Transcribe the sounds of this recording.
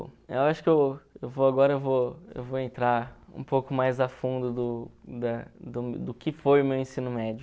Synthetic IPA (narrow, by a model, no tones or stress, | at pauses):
ḛwaʃʊ̥kɪewewvoaɡɔɾɐewvoḛwvoẽnt̪ɾaɾṵ̃powkʊmajzafũnd̪ʊd̪ʊd̪ɐd̪ʊd̪ʊkɪfojʊmewẽsĩnʊmɛd͡ʒʊ